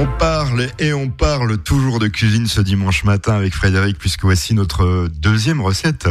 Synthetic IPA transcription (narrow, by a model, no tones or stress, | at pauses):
ɔ̃paʁleɔ̃paʁlt̪uʒuʁd̪əkʲɥizinsəd̪imɑ̃ʃmat̪ɛ̃avɛkfχed̪eʁik̚pɥiskəvwasinɔt̪χəd̪øzjɛmʁəsɛt̪